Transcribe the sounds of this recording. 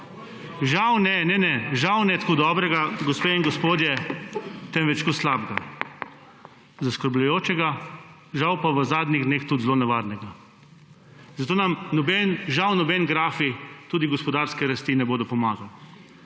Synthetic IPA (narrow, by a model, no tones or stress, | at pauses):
ʒawnɛnɛnɛʒawnɛt̪koːd̪ɔːbɾɛɡaɡɔspeiŋɡɔspoːd̪jɛ | t̪ɛmʋɛt͡ʃkoslaːbɡa | zaskəɾbʎʊjoːt͡ʃɛɡa | ʒawpaʋəzaːd̪nʲiɣd̪neːxt̪ud̪zloːnɛʋaːɾnɛɡa | zat̪oːnamnɔbɛnʒawnɔbɛnɡɾaːfit̪uːd̪iɡɔspɔd̪aɾskɛɾast̪inɛboːd̪ɔpɔmaːɡaw